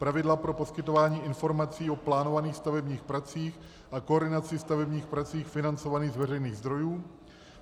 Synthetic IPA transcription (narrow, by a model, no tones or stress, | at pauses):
pɾavɪdlapɾo̞po̞skɪt̪o̞vaːɲiːʔɪnfo̞ɾmat͡siːo̞plaːno̞vaniːxst̪avɛbɲiːxpɾat͡siːx | ʔakooɾdɪnat͡sɪst̪avɛbɲiːxpɾat͡siːxfɪnant͡so̞vaniːɣzvɛrɛjniːɣzd̪ɾo̞juː